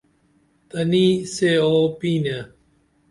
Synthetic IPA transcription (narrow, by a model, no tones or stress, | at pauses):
t̪ɐniːseːoːpiːna